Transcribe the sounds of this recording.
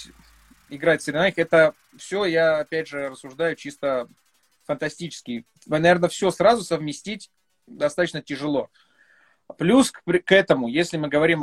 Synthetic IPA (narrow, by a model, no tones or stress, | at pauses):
ɪɡɾatʲsəɾʲɪnaɪxɛt̪ə | fsʲɵjaːpʲædʲʐɨrəsːʊʐd̪ajʊt͡ɕist̪ə | fənt̪ɐsʲtʲit͡ɕɪ̥skʲɪj | nɐve̞rnəfsʲɵsrazʊsəvmʲɪsʲtʲitʲ | d̪ɐst̪at̪ət͡ɕnətʲɪʐɨlˠo̞ | plʲuspʲkɛt̪əmʊjesʲlʲɪmɨɡəvɐɾʲim